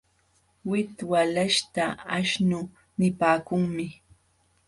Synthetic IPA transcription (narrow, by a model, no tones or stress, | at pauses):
wɪt̪walaʃt̪aaʃnʊ | nɪpaːkʊŋmɪ